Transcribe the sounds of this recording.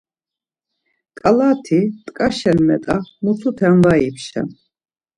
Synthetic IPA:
kʼalaːt̪ʰit̪ʼkʼaʃɛnmɛ̰t̪ʼamusʰut̪ʰɛmvaipʰʃɛ̰n

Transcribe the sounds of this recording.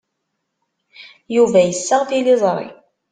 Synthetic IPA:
juvæjəsːəʁθilɪzˤɾˤḭ

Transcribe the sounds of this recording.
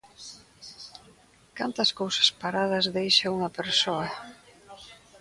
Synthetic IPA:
kant̪ɐskowsɐ̥spaɾað̞ɐzðejʃɐuŋɐpeɾsoɐ

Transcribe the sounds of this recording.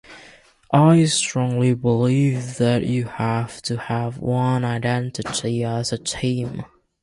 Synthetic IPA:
ʔaɪstɹ̥ɔ̃ŋlibəlivðɨt͡ʃɨhæftʰɨəvwʌ̃naɪdɛ̃ntɨtʰiəzɨtʰĩm

